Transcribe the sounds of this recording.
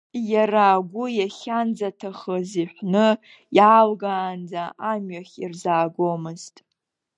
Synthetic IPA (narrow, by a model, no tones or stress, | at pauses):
jaraːɡʷʊjaχʲand͡zatʰaχəziħʷnɨ | jaːlɡaːnd͡zaʔamɥaχʲirzaːɡomɨztʼ